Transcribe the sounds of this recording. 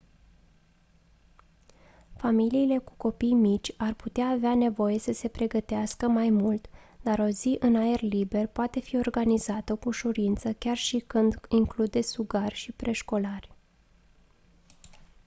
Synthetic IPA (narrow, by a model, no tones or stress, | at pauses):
familiːle̞ku̥ko̞pijmit͡ʃʲarput̪eaːveane̞vo̞je̞səse̞pɾe̞ɡət̪easkəmajmult̪d̪̥aɾo̞ziʔɨnae̞rlibe̞rpoat̪e̞fio̞rɡanizat̪əkuʃuɾint̪səkʲarʃikɨnd̪iŋklud̪e̞suɡarʲʃipɾe̞ʃko̞larʲ